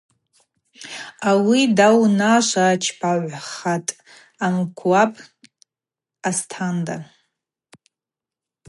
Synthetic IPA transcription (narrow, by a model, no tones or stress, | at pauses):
awidawnaʃʷat͡ʃʰpʰaʕʷχatʼ | amkʷʰwapʼ | astʰanda